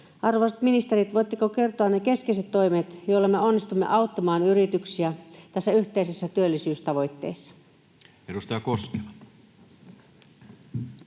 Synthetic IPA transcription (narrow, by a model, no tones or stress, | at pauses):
ɑrʋoset̪minist̪eɾit̪ʋo̞jt̪ːikoke̞rt̪oɑnneke̞skeiset̪ːo̞imet̪joilːemːeonːist̪umːḛʔɑwt̪ːɑmɑːnyɾit̪yksiæt̪æsːæyht̪eisesːæt̪yølːisyːst̪ɑʋo̞jt̪ːe̞̰ːsːɑ̥ | edust̪ɑjɑkoskelɑ